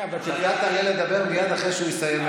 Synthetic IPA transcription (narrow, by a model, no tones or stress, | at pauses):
ajat̪aːleled̪abe̞ʁmijanaχʁeʃeuist̪ajem